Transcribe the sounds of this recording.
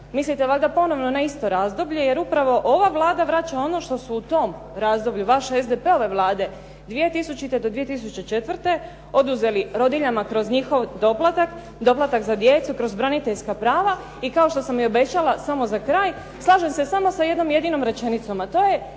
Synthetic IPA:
mislit̪eʋlaɡd̪apo̞no̞ʋno̞naist̪o̞ɾazd̪o̞bʎeje̞ɾupɾaʋo̞ʔo̞ʋaʋlˠaːd̪aʋɾat͡ɕao̞no̞ʃt̪o̞suːt̪o̞m | ɾaːzd̪o̞bʎuʋaʃezd̪epeo̞ʋe̞ʋlˠaːd̪e̞ | d̪ʋije̞t̪isut͡ɕit̪ed̪od̪ʋije̞t̪is̬ut͡ɕe̞t͡ʃe̞t̪ʋr̩t̪e̞ | o̞d̪uze̞liɾo̞d̪iʎamakɾo̞zɲixo̞ʋd̪o̞plˠat̪ak | d̪o̞plˠat̪akzad̪je̞t̪sukɾo̞zbɾanit̪eʎskapɾaːʋa | ikao̞ʃt̪o̞samio̞be̞t͡ɕalasamo̞zakɾaːj | slˠaːʒe̞mse̞samo̞sajed̪no̞mje̞d̪ino̞mɾe̞t͡ʃe̞nit̪so̞mat̪o̞ːje̞

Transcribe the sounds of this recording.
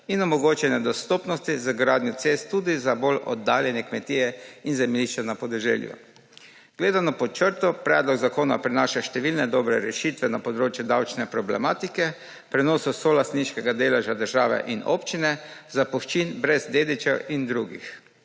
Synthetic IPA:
inɔmɔɡoːt͡ʃɛnɛd̪ɔst̪oːpnɔst̪izəɡɾaːd̪njɔt̪sest̪ːuːd̪izabolɔ̰d̪ːaːljɛnjɛkmɛt̪iːjɛinzɛmliʃt͡ʃɛnapɔd̪ɛʒɛ̰ːljṵ | ɡ̥leːd̪anɔpɔt͡ʃəɾt̪ɔpɾɛːd̪lɔɡzakoːnpɾinaːʃaʃt̪ɛʋilnɛd̪ɔːbɾɛɾɛʃit̪ʋɛnapɔd̪ɾoːt͡ʃjud̪awt͡ʃnɛpɾɔblɛ̰maːt̪ikɛ | pɾɛnoːsusolast̪niʃkɛɡad̪eːlaʒad̪əɾʒaːʋɛ̰ʔino̰pt͡ʃinɛzapɔxt͡ʃinbɾɛzd̪eːd̪it͡ʃɛwind̪ɾuːɡḭx

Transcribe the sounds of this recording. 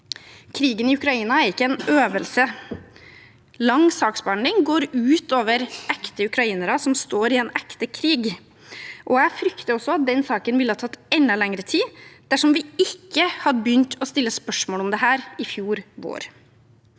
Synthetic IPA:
kʰɾiːɡənɪʉkɾɑiːnɑæɾɪkːəɛnøːʋəlsə | lɑŋsɑːksbɑɳd̪ɪŋɡoːɾʉːt̪oːʋəɾɛkt̪əʉkɾɑiːnəɾɑsɔmst̪oːɾɪeːnækt̪əkʰɾiːɡ | ʔɔæfɾʏkt̪əɔsɔɑt̪̚d̪ɛnsɑːkənʋɪlːəhɑːt̪ʰɑt̪ːɛnːəlɛŋəɾət̪ʰiːd̪̥æʂɔmʋɪɪkːəhɑd̪əbjʏnt̪ʰɔst̪ɪlːəspœʂmoːlɔmd̪ɛhæːɾɪfjuːɾʋo̰ːɾ

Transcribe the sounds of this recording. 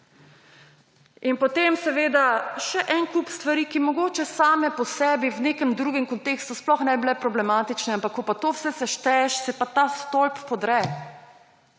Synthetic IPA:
inpɔt̪emsɛʋeːd̪aʃɛʔɛnkupst̪ʋaɾikimɔɡoːt͡ʃɛsaːmɛpɔsɛːbiwneːkɛmd̪ɾuːɡɛmkɔnt̪eːkst̪usplɔxnɛbblɛpɾɔblɛmaːt̪it͡ʃnɛampakːɔpat̪oːwsɛsɛʃt̪ɛʃsɛpat̪ast̪olppɔd̪ɾɛ

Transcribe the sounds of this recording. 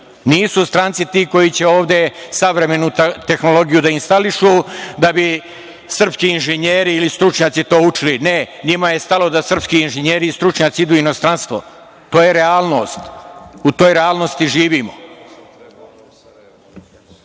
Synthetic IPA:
niːsust̪ɾant̪sit̪iːko̞jit͡ɕe̞o̞ːʋd̪e̞saʋɾe̞me̞nut̪e̞xno̞lˠo̞ɡijud̪ainst̪aliʃud̪abi | sr̩pskiːinʒeɲeːɾiːlist̪ɾut͡ʃɲaːt̪sit̪o̞ːut͡ʃiline̞ɲimaje̞st̪alo̞d̪asr̩pskiinʒeɲeːɾiːst̪ɾut͡ʃɲaːt̪siid̪uːino̞st̪ɾanst̪ʋo̰ | t̪o̞ːjeɾeaːlˠno̞ːst̪ut̪o̞ːjɾealˠno̞st̪iʒiːʋiːmo̰

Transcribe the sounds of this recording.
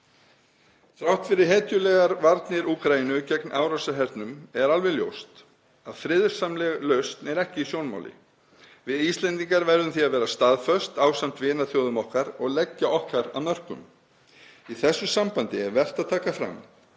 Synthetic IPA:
θɾawht̪fɪɾɪɾ̥ɦɛːt̪jʏlɛɣaɾvaɾt̪nɪɾuːkɾainʏcɛknʔaːwɾasaɦɛɾt̪nʏmɛɾalvɛɣljo̰wst̪ | aðfɾɪðɾ̥samlɛɣlœɥst̪nɛɾɛhcɪisjownma̰wlɪ̰ | vɪðist̪lɛnt̪iŋkaɾvɛɾðʏmθiaðvɛːɾast̪aðfœst̪aːwsam̥t̪vɪːnaθjowðʏmɔhkaɾɔɣlɛcːaʔɔhkaɾa̰ðnmœr̥kʏ̰m | iθɛsːʏsampant̪ɪɛɾvɛr̥t̪aðt̪ʰaːkafɾa̰m

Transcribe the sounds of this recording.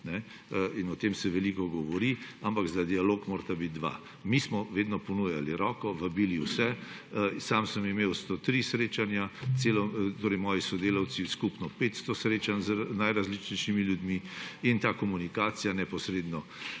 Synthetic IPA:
nɛ | inɔt̪emsɛʋɛlikɔɡɔʋɔɾiampakzad̪ialoːkmoːɾt̪abit̪̚d̪ʋa̰ | mismɔʋeːd̪nɔpɔnujaliɾɔːkɔʋɐbiːliwsɛ | saːmsəmimeːwst̪ot̪ɾisɾeːt͡ʃanjat̪seːlɔt̪oːɾɛjmɔːjisɔd̪eːlawt̪siskupnɔpet̪st̪ɔsɾeːt͡ʃanznajɾazlit͡ʃnɛjʃimiljud̪miint̪aːkɔmunikaːsijanɛpɔsɾeːd̪nɔ

